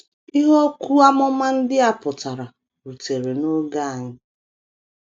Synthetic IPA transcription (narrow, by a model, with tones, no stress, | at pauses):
i˦ɦo˦kʷu˦a˦mʊ˦ma˦n̩˦dɪ˦a˦pʊ˨ta˨ɾa˨ | ɾu˨te˨ɾe˨no˦ɡa˦˨a˨ɲɪ˦